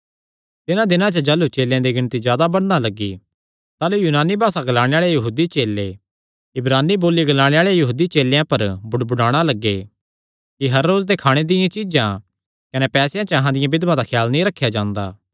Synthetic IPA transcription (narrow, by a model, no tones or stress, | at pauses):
t̪ɪnãd̪ɪnãt͡ʃɐd͡ʒɐlut͡ʃeːljãd̪iɡɪñt̪izjaːd̪abɐɽnalɐɡːḭ | t̪aːlujuːnaːnibʱaːsaɡɐlaːɽ̃eaːɭejɐɦuːd̪it͡ʃeːlːe | ɪbɾaːnːiboːliɡɐlaːɽ̃eaːɭeajɐɦuːd̪it͡ʃeːljãpɐɾbʊɽbʊɽaːɽ̃alɐɡːe | kiɦɐɾːoːzd̪ekʰaːɽ̃ed̪ɪjãt͡ʃɪd͡ʒã | kɐnɛpɛːsjãt͡ʃəɐɦãd̪ɪjãbɪd̪mãd̪akʰjaːlnĩɾɐkʰːjad͡ʒãːnd̪aː